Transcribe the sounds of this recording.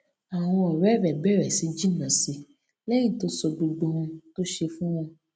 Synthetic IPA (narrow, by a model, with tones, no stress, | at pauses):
a˨w̃ɔ̃˧ɔ˨ɾɛ˦ɾɛ˨bɛ˦˨ɾɛ˨si˨d͡ʒi˦nã˨si˧ | lɛ˦j̃ĩ˦˨to˨˦so˧ɡ͡bo˧ɡ͡bo˧ɦɔ̃˧˦to˦ʃe˧fũ˦wɔ̃˦